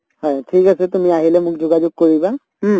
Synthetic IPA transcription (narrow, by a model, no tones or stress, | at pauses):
hɔjtʰikasɛtumiaɦilɛmʊkzʊɡazʊɡ̚koɹiba | ɦ̩